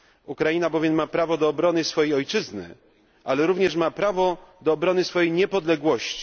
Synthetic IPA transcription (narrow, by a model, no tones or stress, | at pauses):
ukɾajinabɔvʲjɛmːapɾavɔd̪ɔːbɾɔnɘsfɔjejɔjt͡ʂɘznɘ̰ | ʔalɛɾuvɲɛʂmapɾavɔd̪ɔːbɾɔnɘsfɔjejɲɛpɔd̪lɛɡwɔɕt͡ɕi̥